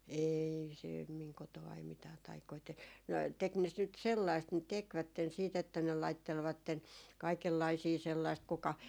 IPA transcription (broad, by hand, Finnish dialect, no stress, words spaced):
eːi se miŋ kotoɑi mitæː tɑikoi te no tek ne s nyt selːɑist ne tekʋætːen siːt etːæ ne lɑitːelʋɑtːen kɑikelːɑisiː selːɑist kukɑ